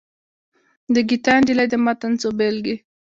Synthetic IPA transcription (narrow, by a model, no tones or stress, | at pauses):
d̪əɡit̪ɑnd͡ʒilad̪əmat̪ant͡sobelɡi